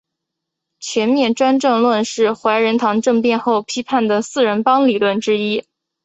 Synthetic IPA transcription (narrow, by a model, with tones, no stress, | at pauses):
t͡ɕʰɥɛ˧˥nmjɛ˥˩nʈ͡ʂwa˥nʈ͡ʂɤ˥˧ŋlwə˥˧nʂɻ̩˥˩xwa˧˥ɪɻə˧˥nt̪ʰɑ˧˥ŋʈ͡ʂɤ˥˧ŋpjɛ˥˧nxo˥˩ʊpʰi˥pʰa˥˩nd̪ə˩sɹ̩˥˩ɻə˧˥npɑ˥ŋli˨˩lwə˥˩nʈ͡ʂɻ̩˥i˥